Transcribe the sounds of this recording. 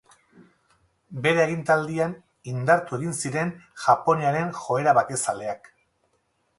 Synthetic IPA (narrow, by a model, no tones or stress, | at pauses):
be̞ɾaeɣint̪ald̪ian | ind̪aɾt̪ueɣinsiɾe̞nʝapo̞niaɾe̞nxo̞e̞ɾaβat̪e̞sale̞ak